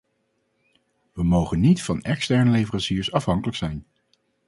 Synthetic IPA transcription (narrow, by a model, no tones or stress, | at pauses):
ʋəmowχənːitfɑnɛkstɛɹnəlejvərɑnsiːɹsɑfɦɑŋkələksɛjn